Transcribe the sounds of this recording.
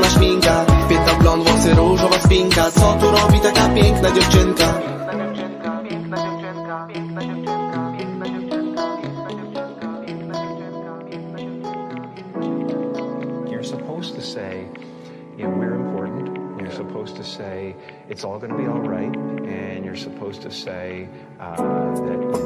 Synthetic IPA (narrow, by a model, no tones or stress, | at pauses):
naʃmʲiŋkapʲɪt̪̚nablɔnvɔsɨɾuʐɔvaspʲiŋkat̪sɔt̪uɾɔbʲit̪akapʲjɛŋknad͡ʑɔft͡ʃɪŋka | jə˞səpʰoʊz̥tʰɨseɪ | ɪwɪɹɨ̃mpʰɔɹʔn̩tjə˞səpʰoʊz̥tʰɨseɪ | ɨtsɔlˠɡʌnəbiɔlˠɹaɪtɨ̃njə˞səpʰoʊz̥tʰɨseɪ | ðɨ̰t̚